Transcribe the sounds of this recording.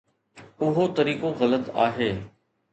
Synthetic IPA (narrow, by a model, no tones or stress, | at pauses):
ʊɦot̪ɐɾiːkoɣɐlət̪a̰ːɦeː